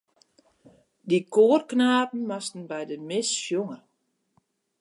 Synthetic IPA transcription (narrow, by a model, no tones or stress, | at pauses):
dikʰoːərknaːpn̩mastn̩bɛjdəmɪsfjoŋə